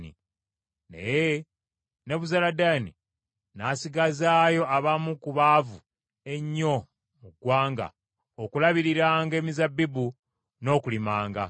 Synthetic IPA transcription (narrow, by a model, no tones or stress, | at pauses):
nḭ | nḛje | ne̞βuzaladaːnḭ | nasiɡazaːjo̞aβamukuβaːvu | e̞ɲːo̞ | muɡwaːŋɡa̰ | okulaβiɾiɾaːŋɡe̞ːmizabːibu | no̞ːkulimaːŋɡa